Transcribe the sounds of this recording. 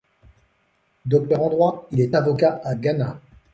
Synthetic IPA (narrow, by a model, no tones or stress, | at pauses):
d̪ɔk̚t̪œʁɑ̃d̪ʁwailɛt̪avɔkaaɡana